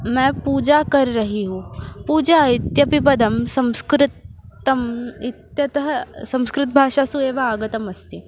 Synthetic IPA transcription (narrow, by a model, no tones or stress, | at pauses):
mɛ̃puːd͡ʒakɐɾiɾɐɦiɦũpuːd͡ʒait̪jɐpipɐd̪ɐmsɐ̃w̃skɾɪt̪ɐmit̪jɐt̪ɐɦɐsɐ̃w̃skɾɪt̪̚bʱaːʃaːsueːʋaaːɡɐt̪ɐmɐst̪i